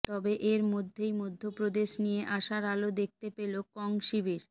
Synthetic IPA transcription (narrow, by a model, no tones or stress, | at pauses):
t̪ɔbeʔeɾmod̪ʱːejmod̪ʱːopɾod̪eʃnijeʔaʃaɾalod̪ek̚ʰt̪epelokɔŋʃibiɾ